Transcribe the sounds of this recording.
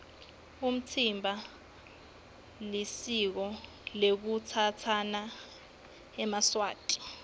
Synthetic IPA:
um̩t͡sʰimbʱa | lisik̬ɔ | lek̬ut͡sʰat͡sʰana | ɛmaswaːtʼi̥

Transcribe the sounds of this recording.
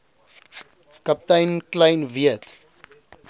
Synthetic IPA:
kɐp̚tɐjnklɐjnviət

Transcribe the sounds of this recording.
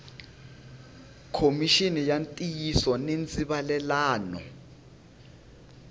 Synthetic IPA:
kʰomiʃinijantʼijisɔnent͡sʼiβalɛlaːnɔ̰

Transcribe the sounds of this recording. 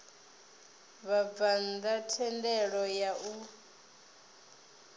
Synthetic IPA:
βab̪vand̪atʰɛndɛɺɔjaʔu

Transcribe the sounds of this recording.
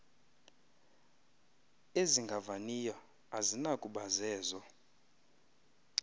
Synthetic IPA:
eziŋɡʱavanijɔ | azinakʼuɓazɛːzɔ

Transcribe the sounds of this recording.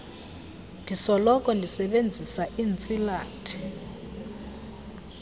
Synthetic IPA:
ndʱisɔlɔkʼɔndʱisɛɓend͡zʱisaʔiːnt͡sʼilaːtʰi̥

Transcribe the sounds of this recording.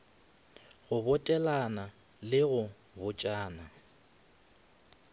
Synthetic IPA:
ɣʊbʊtʼɛlana | lɪɣʊ | bʊt͡ʃʼaːna

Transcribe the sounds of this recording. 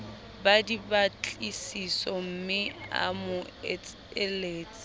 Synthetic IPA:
badibat͡ɬʼisisɔm̩mɪa̰mʊɛt͡s | ɛleːt͡sʼ

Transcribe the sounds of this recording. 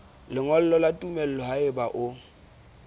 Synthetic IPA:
lɪŋɔl̩lɔlatʼumɛl̩ɔɦaɪbaʔʊ

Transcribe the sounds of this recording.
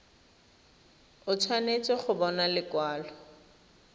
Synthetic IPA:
ʊt͡sʰwanet͡sʼɔχʊbɔnalɪkwaːlɔ

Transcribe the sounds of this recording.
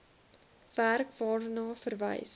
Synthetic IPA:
v̥ærkvɑːdənɑːfərvə̰js

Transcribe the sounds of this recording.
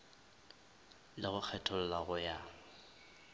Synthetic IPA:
lɪɣʊk͡xʰɛtʰʊlʊlaɣʊja

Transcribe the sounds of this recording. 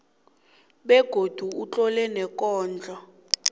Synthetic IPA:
ɓɛɡ̥ʱod̥ʱuut͡ɬʼɔlɛnɛkʼɔːnd͡ɮʱa

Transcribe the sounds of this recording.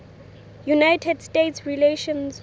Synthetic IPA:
junajtʰɛdstetsɹileʃɔ̃ns

